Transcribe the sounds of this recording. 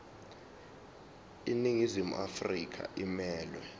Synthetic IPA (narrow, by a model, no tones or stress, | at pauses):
iniŋizimṵʔafrik̬ʰa̰ʔimɛːlwɛ